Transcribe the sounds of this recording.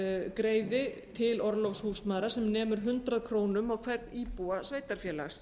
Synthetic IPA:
kɾeːjðɪt̪ʰɪlɔɾlɔfshuːsmaðɾasɛmnɛːmʏɾ̥ɦʏnt̪ɾaðkʰɾoːwnʏmawkʰvɛɾt̪̚niːpuasveːjt̪aɾ̥fjɛːla̰xs

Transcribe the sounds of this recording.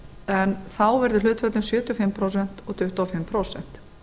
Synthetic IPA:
ɛnθawvɛɾðʏlʏːt̪fœt̪lʏmsjœːt̪ʏɔfɪmpʰɾowsɛn̥t̪ɔɣt̪ʰʏht̪uafɪmːpʰɾowsɛ̰n̥t̪

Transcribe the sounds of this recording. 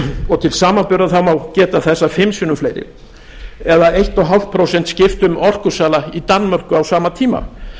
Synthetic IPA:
ɔt̪ʰɪlsaːmanpʏɾðaθawmawcɛːt̪aθɛsːafɪmsʏnʏmflejɾɪ̰l | ɛðaejht̪ɔɦal̥t̪̚pʰɾowsɛnt̪scɪft̪ʏmɔr̥kʏsaːlait̪anːmœr̥kʏawsaːmat̪ʰiːma̰

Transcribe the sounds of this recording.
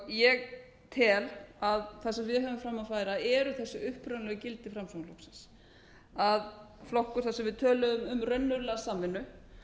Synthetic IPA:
jɛɣ | t̪ʰɛːlaðθasɛmvɪɦœːvʏmfɾamːaðfaːjɾaɛɾʏθɛsːʏʏhpɾœnlɛɣʏcɪlt̪ɪfɾamsɔŋlowksɪns | aðflɔhkʏɾ̥θasɛmvɪðt̪ʰœːlʏʏmʏmrœɥnːʏɾlasaːmːɪnːʏ

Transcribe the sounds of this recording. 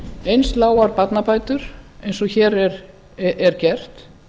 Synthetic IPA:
ejnst̪laːwaɾpat̪napaːjt̪ʏɾ̥ejnsɔçɛːɾɛɾ | ɛɾ̥cɛr̥t̪

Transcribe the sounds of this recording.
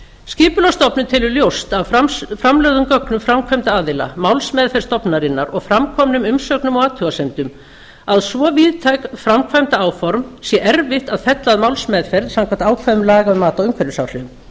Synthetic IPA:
scɪːpʏlast̪ɔpnʏmt̪ʰɪlʏɾljowst̪avfɾamlœːɣðʏmkœknʏmfɾamkʰvajmt̪aaːðɪla̰mawlsmɛːðfɛɾ̥st̪ɔpnaɾɪnːaɾɔɣfɾamkʰɔmnʏmʏmsœːknʏmɔɣaːt̪ʰʏɣasejmt̪ʏm | aðsvɔviðt̪ʰajkfɾamkʰvajmt̪aaːwfɔɾmsjɛʔɛɾvɪht̪aðfɛt̪laðmawlsmɛːðfɛɾðsãwŋkʰvant̪aːwkʰvaðʏmlaːɣaʏmaːt̪awʏmkʰvɛɾʏsawr̥ɪm

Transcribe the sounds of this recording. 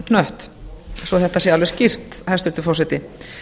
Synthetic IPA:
nœht̪sɔθɛht̪asjɛalvɛscir̥t̪hajst̪ʏɾt̪ɪfɔsɛt̪ɪ

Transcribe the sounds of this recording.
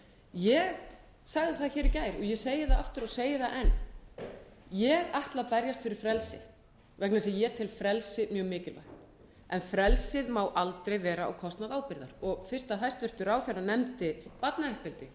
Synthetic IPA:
jɛɣ | saɣðɪθaçɛːɾɪcaːjɾɔɣjɛseːjɪθaaft̪ʏɾɔseːjɪθaʔɛnː | jɛɣaht̪lapɛɾjast̪fɪɾɪɾ̥fɾɛlsɪ̰ | vɛknasɛjɛt̪ʰɪlfɾɛlsɪmjœːɣmɪːcɪlva̰jht̪n | ɛnfɾɛlsɪðmaːwʔalt̪ɾejvɛːɾaa̰wkʰɔst̪naðaːwpɪɾða̰ɾɔɣfɪr̥st̪aɦajst̪vʏr̥t̪ʏɾaːwθɛranɛmt̪ɪpat̪naɛhpɪlt̪ɪ

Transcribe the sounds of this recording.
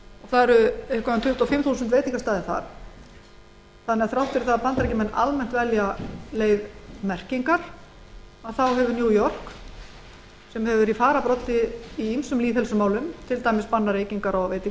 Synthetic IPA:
ɔɣθaðɛɾʏɛhkvavant̪ʰʏht̪ɔfɪmθuːsʏnt̪veːjt̪iŋkast̪aːðɪθa̰ɾ̥ | θanːɛɣaðθɾawht̪ɪɾθaðapant̪ɾɛcɪmɛnːʔa̰lmɛn̥t̪vɛljaleːjðmɛr̥ciŋkaɾ̥ | aðθawɦɛvʏnjuːjɔr̥k | sɛmhɛvʏɾifaːɾapɾɔt̪ːɪiimsʏmliːðɛlsʏmaːwlʏmt̪ʰɪlt̪aːjmɪspanːaɾeːjciŋkaɾawvejt̪i

